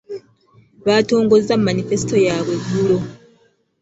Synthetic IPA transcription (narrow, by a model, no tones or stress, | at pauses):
βaːto̞ːŋɡo̞zːamːanife̞si̥to̞jaːβwe̞ɡːulo̞